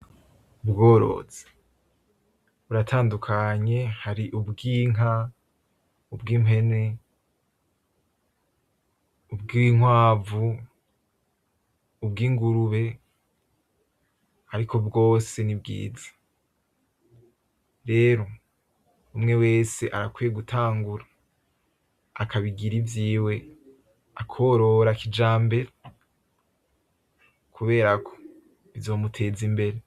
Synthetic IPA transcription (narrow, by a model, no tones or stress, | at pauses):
ubɡo̞ːɾo̞̰z̥e̥ | βuɾatʰaːndukʰaɲe̞haɾiʔubɡiːŋɦa | ubɡiːme̞ne̞ | ubɡiŋwaːvu | bɡiːŋɡuɾuβe̞ | haɾikʰobɡo̞ːse̞nib̚ɡḭːzḁ | ɾe̞ːɾo̞ | umŋe̞we̞ːse̞ʔaɾakwijeɡutʰaːŋɡuɾa | akaβiɡiɾivjiːwe̞ | akʰo̞ɾo̞ɾakid͡ʒaːmbe̞ɾa | kʰuβe̞ːɾakʰo | βizo̞ːmutʰe̞ːzimbe̞ɾe